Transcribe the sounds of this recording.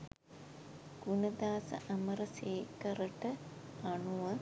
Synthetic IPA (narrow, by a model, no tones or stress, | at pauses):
ɡ̥unɐd̪aːsɐ̰ʔɐmɐɾɐseːkɐɾɐʈəɐɳuʋɐ